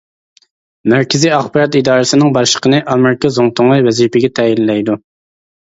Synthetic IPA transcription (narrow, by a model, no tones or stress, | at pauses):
mæɾkʲɪzijɑχbɑɾɑt̪id̪ɑːɾɨsɪnɪŋbɑʃə̥qʰənɨʔɑmɪɾɪkʲʰɑzoŋt̪ʰʊŋlˠɑjwɛzipɪɡʲɛt̪ʰɛjilːɛjd̪u